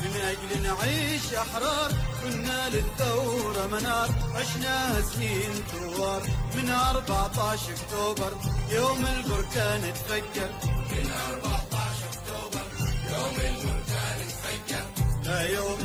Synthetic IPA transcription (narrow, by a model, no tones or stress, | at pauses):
mɪnʔad͡ʒlnʕiːʃʔaħɾˤɑːɾˤkʊnːalɪθawɾˤɑmanɑːɾˤʕɪʃnahɪsniːnt̪ʊːɑːɾˤmɪnʔɑɾˤbɑʕt̪ˤɑʕʃʔʊkt̪oːbɑɾˤjoːmɪlbʊɾˤkaːnɪt̪fakːɑɾmɪnʔɑɾˤbɑʕt̪ˤɑʕʃʊkt̪oːbɑɾˤjoːmɪlbʊɾˤkaːnɪt̪fakːɪɾlajoːm